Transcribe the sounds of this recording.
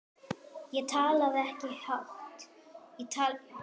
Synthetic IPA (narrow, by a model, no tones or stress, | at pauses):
jɛt̪ʰaːlaðɛhcɪhart̪jɛt̪ʰa